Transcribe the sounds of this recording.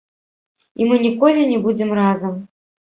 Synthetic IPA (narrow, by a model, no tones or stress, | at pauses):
imɨnʲikolʲunʲibud͡zʲɪmrazɐm